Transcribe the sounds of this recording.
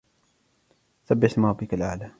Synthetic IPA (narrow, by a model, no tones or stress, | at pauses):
θabːɪsmɾˤɑbːɪkalʕaːla